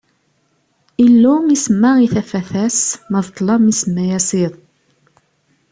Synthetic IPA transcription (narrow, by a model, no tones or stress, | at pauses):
ilːumisəmːæiθæfæθæsməðt̪ˤːlɑmisəmːæjæsiðˤ